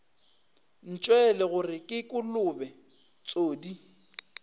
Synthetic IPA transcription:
n̩t͡ʃʼwɛlɛɣʊrɪkʼɪkʼʊlʊbɛ | t͡sʼoːdi

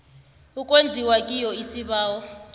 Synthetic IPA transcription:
ukʼwend͡zʱiwakʼijɔisiβaːwɔ

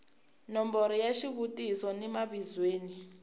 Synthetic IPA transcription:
nɔmbɔɾijaʃiβutisɔnɛmaβizweːni

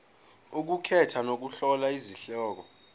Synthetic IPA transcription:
uk̬ukʰɛtʰanok̬uɬɔlaiziɬɔːk̬ɔ

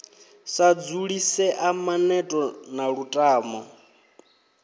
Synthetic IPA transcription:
sad͡zuɺisɛʔamanɛtʼɔnaɺutʼaːmɔ

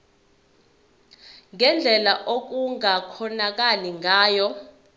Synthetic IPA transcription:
ŋɛnd͡ɮʱɛlaʔok̬uŋakʰɔnak̬aliŋaːjɔ

